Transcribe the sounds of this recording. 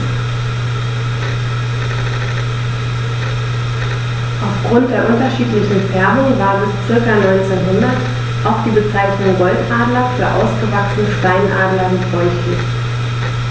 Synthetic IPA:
ʔaʊfɡ̥ʁʊnt̚d̥eːɐʔʊntɐʃiːtlɪçn̩fɛɐmʊŋvaːɐbɪst͡sɪɐkɐnɔʏnt͡seːnɦʊndɐt | ʔaʊxd̥iːbət͡saɪçnʊŋɡɔltʔaːdlɐfyːɐʔa̰ʊsɡ̥əvaksnəʃtaɪnʔa̰ːdlɐmɪtv̥ɔʏçɪ

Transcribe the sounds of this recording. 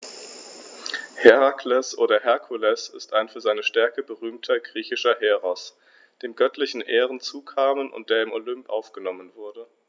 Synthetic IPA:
hɛʁakʰlɛsʔoːɾɐɦɛɐkʰulɛsɪ̰staɪnfyːɐzaɪnəʃtɛɐkəbəʁyːmtʰɐɡʁiːçɪʃɐɦɛːʁɔs | d̥eːmɡœtʰlɪçn̩ʔeːʁən̩t͡suːkʰaːmənʔʊ̰nt̚d̥eːɐɪmolʏmpʔa̰ʊfɡ̥ənɔmənvʊɐdə

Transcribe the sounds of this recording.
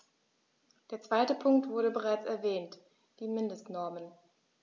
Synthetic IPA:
d̥eːɐt͡sv̥aɪtəpʰʊŋk̚tv̥ʊɐɾəbəʁ̞aɪt͡sɛɐvɛːnt | d̥iːmɪndəstnɔɐmən

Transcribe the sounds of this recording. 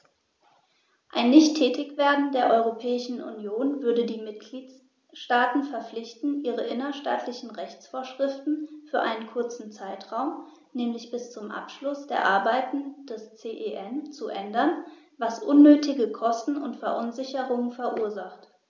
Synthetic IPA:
ʔaɪnːɪçtʰːɛːtɪçv̥eːɐdn̩deːɐʔɔʏʁopʰɛːɪʃn̩ʔṵnjoːnvʏɐdədiːmɪt̚ɡ̥liːt | ʃtaːtn̩fɛɐp͡flɪçtn̩ʔiːʁəʔɪnɐʃta̰ːtʰlɪçn̩ʁɛçt͡sfoːɐʃʁ̥ɪftn̩fyːɐʔa̰ɪnənkʰʊɐt͡sn̩t͡saɪtʁ̥aʊm | nɛːmlɪçb̥ɪst͡sʊmʔa̰pʃlʊsd̥eːɐʔaɐbaɪtn̩d̥ɛst͡seːʔeʔɛnt͡suʔɛndɐn | vasʔʊnːøːtʰɪɡəkʰɔstn̩ʊ̰ntfɛɐʔʊnzɪçəʁʊŋənfɛɐʔuːɐzaχt

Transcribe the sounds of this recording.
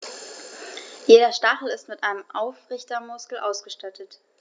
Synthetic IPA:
jeːɾɐʃtaχl̩ɪstmɪtʔaɪnəmʔaʊfʁɪçtɐmʊskl̩ʔaʊsɡ̥əʃtatʰət

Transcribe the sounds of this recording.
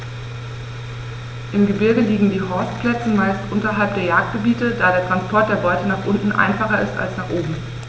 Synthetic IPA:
ʔɪmɡəbɪɐɡəliːɡŋ̩diːɦɔɐstpʰl̥ɛt͡səmaɪstʔʊntɐɦalp̚d̥eːɐjaːk̚t̚ɡ̥əbiːtəd̥aːɾeːɐtʁ̥anspʰɔɐt̚d̥eːɐbɔʏtənaːχʔʊntn̩ʔa̰ɪnfaχɐɪ̰sta̰lsnaːχʔoːbm̩

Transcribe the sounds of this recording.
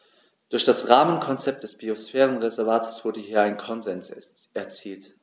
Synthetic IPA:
d̥ʊɐçd̥asʁaːmənkʰɔnt͡sɛp̚t̚d̥ɛsb̥iosfɛːʁənʁezɛɐvaːtʰəsv̥ʊɐdəɦiːɐaɪnənkʰɔnzɛns | ʔɛɐt͡siːlt

